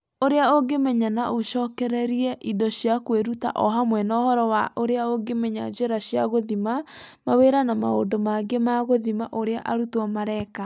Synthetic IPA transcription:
oɾeaoɡemɛɲanaʔoʃɔːkɛɾɛɾiɛʔidɔɕjakweɾuta̰ʔɔɦamwɛnɔhɔɾɔwaʔoɾeaoɡemɛɲa̰d͡ʒeɾaɕjaɣoðimamaweɾanama̰o̰ndomaɡemaɣoðimaʔoɾeaʔaɾutwamaɾɛka

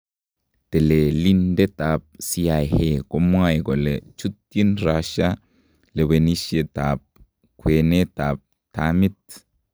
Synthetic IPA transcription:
t̪ɛlɛlind̪ɛt̪ab̚sijajhekʼɔmwaɛkʼɔlɛt͡ʃʊt̪ːinɾaːʃa | lɛwɛniʃet̪aːp̚ | kweːnet̪aːb̚ | t̪aːmɪt̪

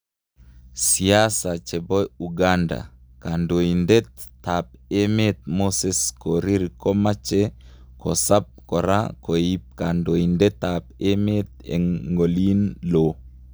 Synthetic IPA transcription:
siasat͡ʃɛbojuɡanda̰kandoindɛt̪ap̚emet̪̚moseskoɾiɾkomat͡ʃe | kosap̚kɔɾa̰koip̚kandoindɛt̪ap̚emet̪ḛŋɡolinlo

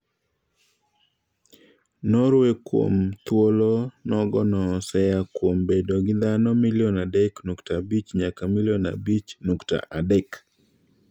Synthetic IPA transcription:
nɔɾwekwo̰mt̪wolonɔɡɔnɔsɛjakwombedoɡɪd̪anɔmɪlɪjɔnadɛknuktabit͡ʃɲakamiljɔna̰bit͡ʃnukta̰ʔadɛk

